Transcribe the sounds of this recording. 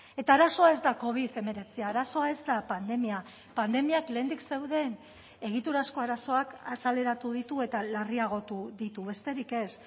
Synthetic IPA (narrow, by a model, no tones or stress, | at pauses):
e̞t̪aːɾaso̞ae̞zd̪ako̞β̞iðe̞me̞ɾe̞t͡siaːɾaso̞ae̞zd̪apand̪e̞mia | pand̪e̞miakle̞ːnd̪ikse̞wðe̞n | e̞ɣ̞it̪uɾasko̞aɾaso̞akasale̞ɾat̪uð̞it̪ue̞t̪alariaɣ̞o̞t̪uðit̪uβe̞st̪e̞ɾike̞s